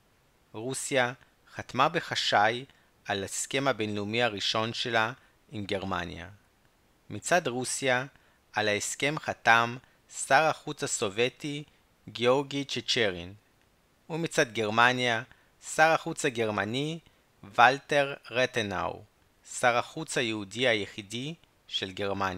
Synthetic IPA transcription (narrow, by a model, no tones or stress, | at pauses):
ʁusija | χatmabeχaʃaj | ʔalaeske̞mabenlumiaʁiʃo̞nʃe̞la | imɡe̞ʁma̰nja̰ | mit͡sadʁusija | alaeske̞mχatam | saʁaχut͡shaso̞veti | ɡeoʁɡit͡ʃet͡ʃeʁin | umit͡sadɡe̞ʁmanja | saʁaχut͡shaɡe̞ʁmani | valte̞ʁːetena̰w | saʁaχut͡shajeudihajeχidi | ʃe̞lɡe̞ʁmanja